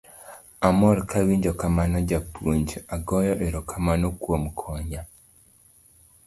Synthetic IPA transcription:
amɔlkawiɲd͡ʒɔkamanad͡ʒapoɲd͡ʒaɡɔjɔʔeɾɔkʰamanokwomkʰɔɲa

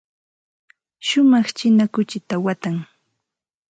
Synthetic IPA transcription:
ʃʊmɑχt͡ʃɪnakʊt͡ʃɪt̪awat̪aŋ

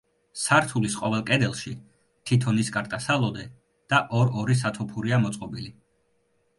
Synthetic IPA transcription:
saɾt̪ʰulisqʼɔvɛlˠkʼɛd̪ɛlˠʃi | t̪ʰit̪ʰɔniskʼaɾt̪ʼasalˠɔd̪ɛ | d̪̥aʔɔɾɔɾis̬at̪ʰɔpʰuɾiamɔt̪sʼqʼɔbili

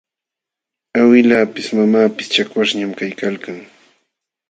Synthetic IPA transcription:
awɪlaːpɪsmamaːpɪ̥st͡ʃakwaʂɲamkajkalkaŋ

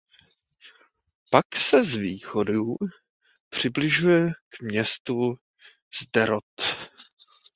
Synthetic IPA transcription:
paksɛzviːxodu | pr̝̥ɪblɪʒujɛkmɲɛst̪u | z̥dɛɾot̪

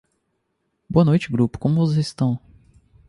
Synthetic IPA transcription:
boɐnojt͡ʃɪɡɾupʊ̥kõmʊvozest̪ɐ̃w̃

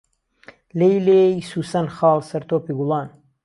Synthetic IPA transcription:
lejleːjsuːsɐnxɑːlsɐɾt̪ʰoːpiːɡʊlˠɑːn

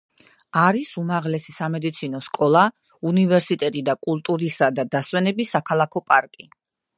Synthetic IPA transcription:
aɾisumaʁlɛsisamɛd̪it̪sʰinɔskʼɔlˠa | univɛɾsit̪ʼɛt̪ʼid̪akʼulˠt̪ʼuɾisad̪ad̪aswɛnɛbisakʰalˠakʰɔpʼaɾkʼi

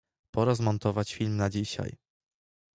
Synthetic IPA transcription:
pɔɾɔzmɔnt̪ɔvat͡ɕfʲilmnad͡ʑiɕa̰j

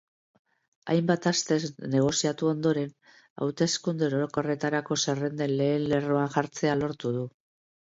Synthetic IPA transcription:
a̰jmbat̪ast̪e̞zne̞ɣ̞o̞siat̪uo̞nd̪o̞ɾe̞n | a̰wt̪e̞skund̪eɾoɾoko̞re̞t̪aɾako̞sere̞nd̪e̞nle̞ːnle̞roaŋʝaɾt͡se̞alo̞ɾt̪uð̞u

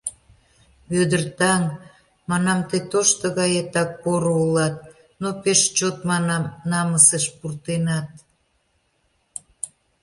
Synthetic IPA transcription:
βød̪ərt̪ɑŋ | mɑnɑmt̪et̪oʃt̪əɣɑjet̪ɑk̚poɾoulɑt̪̚ | nopeʃt͡ɕot̪mɑnɑmnɑməsəʃpurt̪enɑt̪̚

